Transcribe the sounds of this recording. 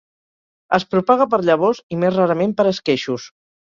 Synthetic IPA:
əspɾupaɣ̞əp̬əɾʎəβ̞ɔzimezraɾəmempəɾəskeʃus

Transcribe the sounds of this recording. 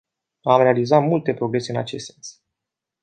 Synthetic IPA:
amɾe̞alizat̪mult̪e̞pɾo̞ɡɾe̞se̞ɨnat͡ʃe̞st̪sens

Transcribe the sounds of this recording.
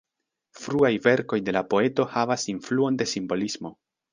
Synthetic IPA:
fɾuajve̞ɾko̞jde̞lapo̞e̞to̞havasinfluo̞nde̞simbo̞lizmo̞

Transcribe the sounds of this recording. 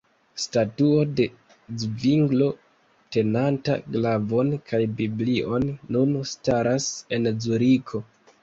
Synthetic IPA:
statuo̞de̞ | d͡zviŋɡlo̞ | te̞nanta̰ɡlavo̞nkʰajbibliʔo̞nːunstaɾase̞nd͡zuɾikʰo̞

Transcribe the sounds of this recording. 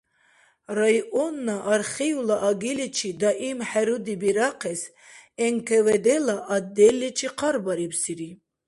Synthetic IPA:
ɾajɔnːaʔːɾχijulaʔaɡilit͡ʃʰid̪aʔimħɛɾud̪ibiɾaqʰɛs | ɛŋkʰɛvɛd̪ɛlaʔad̪ːɛlːɛt͡ʃʰiqʰaɾbaɾibsiɾi

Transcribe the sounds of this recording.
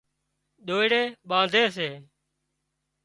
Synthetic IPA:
ɗ̪oːɪɽeːɓãːd̪ʱeːseː

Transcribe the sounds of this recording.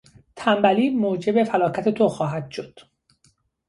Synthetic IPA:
t̪ʰæmbæliːmoːd͡ʒe̞befælɒːcʰæt̪ʰe̞t̪ʰoxɒːɦæd̪̥ʃo̞d̪̥

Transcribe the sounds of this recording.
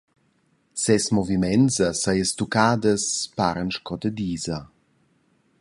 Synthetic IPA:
sɛsmɔvimɛnzasajəst̪ukaːd̪əspaːɾənʃkɔt̪əd̪iːza

